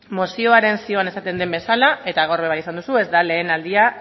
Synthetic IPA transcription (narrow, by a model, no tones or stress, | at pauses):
mo̞sio̞aɾe̞nsio̞ane̞sat̪e̞nd̪e̞mbe̞salae̞t̪aɣoɾβe̞β̞ajis̬and̪usue̞zd̪ale̞ːnald̪ia